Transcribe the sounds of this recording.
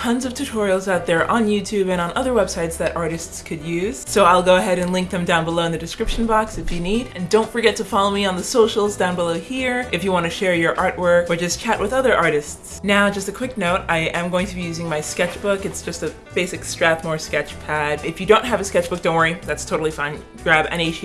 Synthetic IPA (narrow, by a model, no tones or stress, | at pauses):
tʰʌ̃nzʌv̥tʰʉtʰɔɹil̩ˠzaʊt̪̚ðə˞ʔə̃njʉtʰʉbɨ̃ɾ̃ə̃nʌðə˞wɛb̥saɪtsðɨɾʔɑɹɾɨstskʰɨdjʉz̥soʊaɪlˠɡoʊəɦɛɾɨ̃nlɪ̃ŋk̚ðɨ̃mdãʊ̃nbəloʊɨ̃nðɨdɨskɹɪpʃn̩bɑksɨfjɨnidɨ̃ndõʊ̃ntfə˞ɡɛtʰɨfɑlˠoʊmiə̃nðəsoʊʃl̩ˠzdãʊ̃nbəloʊhiɹʔɨfjɨwɑ̃ñɨʃɛɹjə˞ʔɑɹʔ̚wɜ˞kə˞d͡ʒʌst͡ʃʰæʔwɨðʌðə˞ʔɑɹɾɨstsnaʊd͡ʒʌstɨkʰw̥ɪknoʊɾaɪʔɨ̃mɡoʊɪ̃ŋtʰɨbijʉzɪ̃ŋmaɪskɛt͡ʃb̥ʊkɨtsd̥ʒ̥ʌstɨ | b̥eɪsɨkstɹ̥æθ̚mɔɹskɛt͡ʃpʰædɨfjɨdõʊ̃nt̚ɦɨvɨskɛt͡ʃb̥ʊk̚d̥õʊ̃nwəɹiðætstʰoʊɾl̩ˠifãɪ̃n | ɡ̥ɹæbɨ̰̃ñeɪʃ